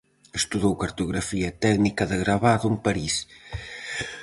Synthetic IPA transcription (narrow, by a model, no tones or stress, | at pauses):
est̪uðowkɐɾt̪uɣɾɐfiɐt̪ɛɣnikɐðəɣɾaβaðumpɐɾis